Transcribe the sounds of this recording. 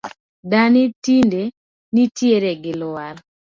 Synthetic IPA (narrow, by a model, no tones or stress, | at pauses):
danitinde | nitjeɾeɡɪlʊwaɾ